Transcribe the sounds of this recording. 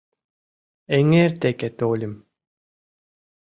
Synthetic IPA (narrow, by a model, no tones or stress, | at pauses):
eŋeːɾt̪eket̪oːlʲim